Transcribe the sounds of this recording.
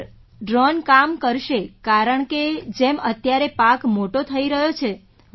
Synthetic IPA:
ɖɾɔnkamkəɾʃekaɾəɳked͡ʒemət̪jaɾepakmoʈot̪ʰəiɾəɦjot͡ʃʰe

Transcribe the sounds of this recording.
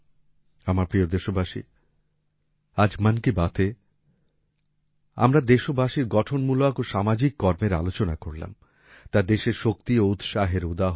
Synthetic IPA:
amaɾpɾiod̪eʃobaʃḭ | ad͡ʑmankibat̪e | a̰mɾad̪eʃobaʃiɾɡɔʈʰonmulakoʃamad͡ʑikːɔɾmeɾa̰lot͡ɕonakoɾla̰m | t̪ad̪eʃeɾʃok̚t̪iout̪ʃaɦeɾud̪aɦ

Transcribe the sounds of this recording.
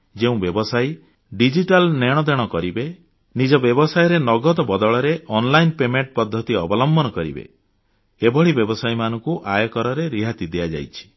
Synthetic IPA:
d͡ʒeũbjɔbɔsaj | ɖid͡ʒiʈalneɽ̃ɔd̪eɽ̃ɔkɔɾibe | nid͡ʒɔbjɔbɔsajɔɾenɔɡɔt̪ɔbɔd̪ɔɭɔɾeʔɔnlainpemeɳʈ̚pɔd̪ʱːɔt̪iɔbɔlɔmbɔnɔkɔɾḭbḛ | ebɔɭibjɔbɔsajmanɔŋkuʔajɔkɔɾɔɾeɾiɦat̪id̪ead͡ʒa̰jt͡ʃʰi̥

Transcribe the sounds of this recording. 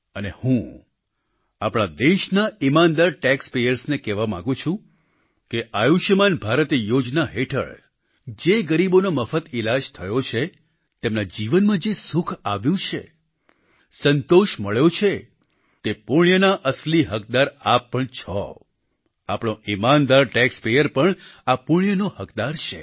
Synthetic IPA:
ənehũ | apɽ̃ad̪eʃnaimand̪aɾʈɛkspejəɾsnekɛʋamã̰ɡũt͡ʃʰũ | keʔajuʃjəmanbʱaɾət̪jod͡ʒnaɦeʈʰə̰ɭ | d͡ʒeɡəɾibonoməfət̪ɪlad͡ʒt̪ʰəjot͡ʃʰe | t̪emnad͡ʒiʋənmãd͡ʒesukʰaʋjũt͡ʃʰḛ | sənt̪oʃməɭjot͡ʃʰe | t̪epuɭ̃jənaʔəsliɦək̚d̪aɾapːəɳt͡ʃʰɔ̰ | apɽ̃oʔimand̪aɾʈɛkspejəɾpəɳapuɳ̃jənohəkd̪aɾt͡ʃʰḛ

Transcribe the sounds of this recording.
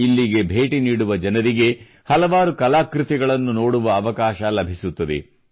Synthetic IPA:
ilːiɡe̞bʱe̞ːʈiniːɽuʋɐd͡ʒɐnɐɾiɡe̞ | hɐlɐʋaːɾukɐlaːkɾit̪iɡɐɭɐnːuno̞ːɽuʋɐːʋɐkaːʃɐlɐbʱisut̪ːɐd̪ḛ

